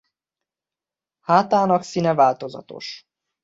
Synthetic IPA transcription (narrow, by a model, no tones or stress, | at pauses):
haːt̪aːnɒksinɛvaːlt̪o̞zɒ̰t̪o̞̰ʃ